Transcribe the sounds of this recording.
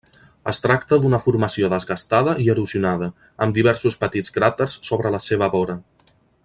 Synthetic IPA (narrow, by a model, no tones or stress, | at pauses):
ə̰st̪ɾakt̪əðunəfuɾməsioðəzɣəst̪aðəʔiəɾuziunað̞ə | əmd̪iβ̞ɛɾsuspət̪id͡zkɾat̪ərsːoβɾələseβ̞əβɔɾə